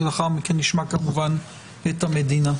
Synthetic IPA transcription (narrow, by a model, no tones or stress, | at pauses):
laχaʁmikenːiʃmakamuvan | et̪hamed̪ina